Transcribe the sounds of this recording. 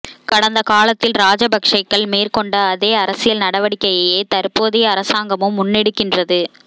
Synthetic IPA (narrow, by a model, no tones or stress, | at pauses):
kɐɽɐnd̪ɐkaːlɐt̪ːɪlɾaːd͡ʒɐbɐkʂɐɪkːɐɭmeːrkɔɳɖɐːðeːɐɾɐsɪjɐlnɐɽɐʋɐɽɪkːɐjɐjeːt̪ɐɾpːoːðɪjɐːɾɐsaːŋɡɐmɯmːʊnːɪɽɯkːɪndrɐðɯ